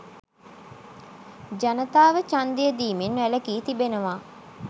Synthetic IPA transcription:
d͡ʒɐnɐt̪aːʋət͡ʃand̪ijəd̪iːmenːʋæləkiːt̪ibenəʋaː

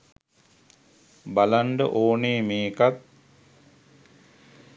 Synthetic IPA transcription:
balaɳɖə̰ʔoːneːmeːkat̪̚

